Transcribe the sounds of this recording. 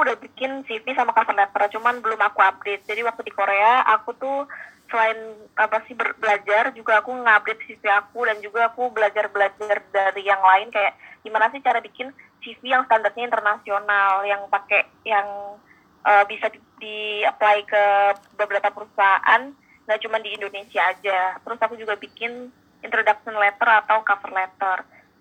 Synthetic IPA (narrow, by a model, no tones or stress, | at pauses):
akuudahbikɪnsifisamakasərlnat̪ːɾat͡ʃumanbəlʊmakuab̚det̪̚d͡ʒadiwak̚t̪udikoɾeaakut̪usəlaɪnapasɪhbərbəlad͡ʒard͡ʒuɡaːkuŋəab̚det̪̚sifiakudand͡ʒuɡaːkubəlad͡ʒarbəlad͡ʒardaɾijaŋlaɪnkajaʔɡ̥imanasɪht͡ʃaɾabikɪn | sifijaŋsə̥t̪andart̪ɲaint̪ərnasionaljaŋpakɛ | jaŋ | ʔəbisa | diplaikəbəbəɾat̪apəɾusaaʔa̰n | ɡaʔt͡ʃumandiːndonesiaːd͡ʒat̪əɾʊsakud͡ʒuɡabikɪn | int̪ɾodak̚sənlɛt̪ərat̪awkafərlɛt̪ər